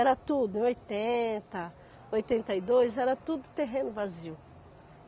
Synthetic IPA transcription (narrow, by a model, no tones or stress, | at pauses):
ɛɾɐt̪ud̪ʊẽojt̪ẽt̪ɐ | ojt̪ẽnt̪ɐid̪ojzɛɾɐt̪ud̪ʊt̪eɦẽnʊvaziw